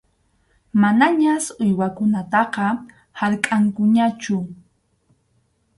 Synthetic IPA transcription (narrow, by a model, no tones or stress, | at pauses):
manaɲasʊjwakʊnat̪ɑqɑ | haɾkʼaŋkʊɲat͡ʃʊ